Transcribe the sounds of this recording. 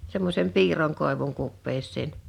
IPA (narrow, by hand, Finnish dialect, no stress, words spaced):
semːosˑem piːrˑoŋ koˑeʋuŋ kupːeːsːeːn